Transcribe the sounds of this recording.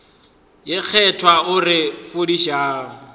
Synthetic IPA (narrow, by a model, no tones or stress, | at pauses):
jɪk͡xʰɛtʰwaʊrɪfʊdiʃaːŋ̩